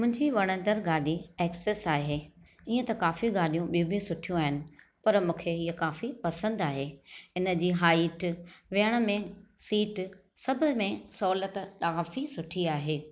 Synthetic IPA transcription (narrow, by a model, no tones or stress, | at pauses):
mʊ̃ɦɪ̃ɲd͡ʑiʋɐɽ̃ə̃nd̪əɾɡaːɗieːkseːsaːɦeː | iːə̃t̪ɐkaːfiɡaːɗijũɓijũbʱɪsʊʈʰijũaːɦɪnɪ̆ | pɐɾmũːkʰeɦiːɐkaːfipɐsə̃nd̪aːɦeːɪnə̆d͡ʑiːɦaːiʈʋijəɽ̃ə̆mẽsiːʈ | sɐbʱɪmẽsɔːlət̪kaːfisʊʈʰiaːɦeː